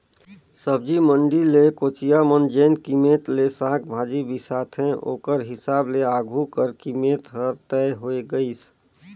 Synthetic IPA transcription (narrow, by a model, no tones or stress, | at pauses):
səb̚d͡ʒiməɳɖilekoːt͡ʃijamənd͡ʒẽːnkimeːt̪lesãːkʰbʱaːd͡ʒibʱisaːt̪ʰɦɛ̃ʔo̰ːkəɾɦɪsaːbleaːɡʱukəɾkimeːt̪ɦəɾt̪ɛɦoeɡəis